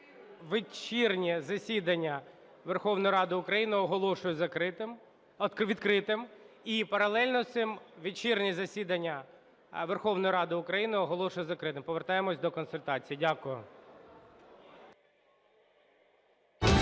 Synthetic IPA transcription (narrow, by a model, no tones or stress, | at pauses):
ʋɪt͡ʃirnʲizɐsʲid̪ɐnʲːɐ | ʋerxɔwnɔjɾɑd̪ɪʊkɾɐjinɪɔɦɔlˠɔʃʊjʊzɐkɾɪt̪ɪm | kʋʲid̪kɾɪt̪ɪmipɐɾɐlˠɛlʲnɔsɪmʋʲit͡ʃirnʲizɐsʲid̪ɐnʲːɐ | ʋerxɔʋnɔjʊɾɑd̪ɪʊkɾɐjinɪɔɦɔlˠɔʃʊjʊzɐkɾɪt̪ɪmpɔʋert̪ɑjemɔsʲd̪ɔkɔnsʊlʲt̪ɑt͡sʲijidʲakʊjʊ